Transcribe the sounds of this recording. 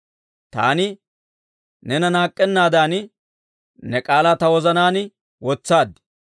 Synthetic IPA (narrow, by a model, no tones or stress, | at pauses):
t̪a̰ːnɪ | nɛnɐnaːkʼːɛnːaːd̪aːn | nɛkʼaːlaːt̪ɐwɔzɐnaːnɪ | wɔt͡sːaːd̪ɪ